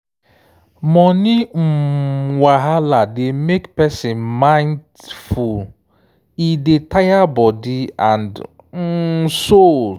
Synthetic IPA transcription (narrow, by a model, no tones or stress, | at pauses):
mɔnɪ | waɦalademekpɛsɪ̃nmãɪ̃nd | ful | idetajabɔdiãnd̩ | sol